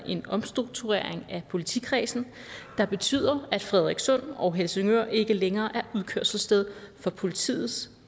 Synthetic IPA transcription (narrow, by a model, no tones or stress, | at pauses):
ʔe̝nɒ̽msd̥ʁuɡ̥̚t͡sʰuʁḛɐ̰eŋæpʰo̝lit͡sʰikʰʁɛ̰ːsn̩ | d̥ɑ̈b̥e̝t͡sʰy̰ːð̰ˠɐæd̥fʁɛðˠʁeɡ̥sɔ̽n̰ɒ̽ɦelseŋø̰ɐe̝ɡ̥əleŋɐːʔæɐuðˠkʰøɐ̰sl̩sd̥eð̞ˠfɒ̽pʰo̝lit͡sʰḭːð̞̩ˠs